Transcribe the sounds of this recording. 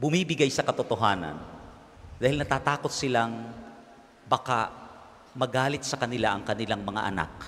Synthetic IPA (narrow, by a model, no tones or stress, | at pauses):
bʊmiːbɪɡajsɐkɐt̪ot̪oɦaːna̰n | d̪aːhɪlnɐt̪aːt̪aːko̞t̪̚sɪlaŋ | baka | mɐɡaːlɪt̪̚sɐkɐnɪlaʔɐŋkɐnɪlaŋmɐŋa̰ʔɐ̰na̰k̚